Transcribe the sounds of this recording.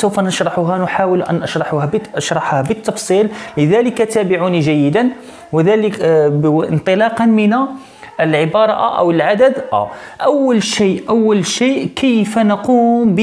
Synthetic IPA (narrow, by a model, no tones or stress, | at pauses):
səwfænəʃɾˤɑħuɦænʊħawəlʔænʔəʃɾˤɑħuhæbʔəʃɾˤɑħhæbət̪ːɑfsˤilləd̪æləkat̪æbɪʕuniʒæjːəd̪ən | wəd̪æləkʔənt̪ˤəlɑqɑnmənæ | ʔəlʕəbɑɾˤɑʔʔæ̰wəlʕad̪əd̪ʔæ̰ | ʔæwːəlʃiʔæwːəlʃiːʔkʰəjfnəquːmb